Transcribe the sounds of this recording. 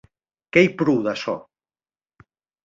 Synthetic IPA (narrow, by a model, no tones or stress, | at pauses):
kejpɾuðasɔ̰